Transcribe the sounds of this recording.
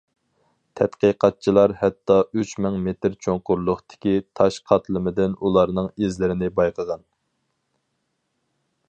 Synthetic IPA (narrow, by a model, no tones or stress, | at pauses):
t̪ʰɛt̪qəqʰɑt̪̚t͡ʃʰilˠɑɾhɛt̪ːɑyt͡ʃmɨŋmet̪ɾt͡ʃʰoŋqʊɾlˠʊχt̪ɪ̥kʲit̪ʰɑʃqʰɑt̪lˠɨmɪd̪ɪnulˠɑɾnɨŋezlɪɾɪnɪbɑjqʰəʁɑn